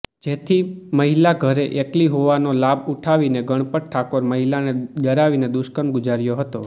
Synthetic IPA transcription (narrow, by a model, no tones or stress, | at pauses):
d͡ʒet̪ʰiməɦilaɡʱəɾeʔekliɦoʋanolabuʈʰaʋineɡəɽ̃pəʈ̚ʈʰakoɾməɦilaned̪əɾaʋined̪ʊʃkəɾmɡʊd͡ʒaɾjoɦət̪o̰